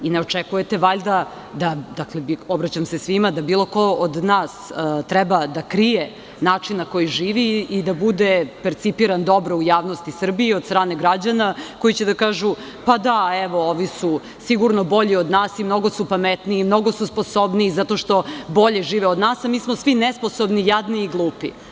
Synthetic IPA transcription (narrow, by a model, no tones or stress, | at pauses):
ineot͡ʂekujet̪eʋaʎd̪a | d̪ad̪aklebiobɾat͡ɕamsesʋimad̪abiːlˠo̞kood̪naːst̪ɾɛbad̪akɾije | naːt͡ʂinːako̞jiʒiːʋiːd̪abud̪epeɾt̪sipiɾand̪o̞bɾoujaːʋno̞st̪isr̩biiod̪st̪ɾaːne̞ɡɾad͡ʑanako̞jit͡ɕed̪akaːʒu | pad̪aeʋo̞oʋisu | siɡuɾnobo̞ʎiod̪naːsimno̞ɡosupamet̪niːmno̞ɡosuspo̞sobniːzat̪o̞ʃt̪o̞bo̞ʎeʒiːʋeod̪naːsamiːsmosʋinesposobnijad̪niːɡlˠuːpḭ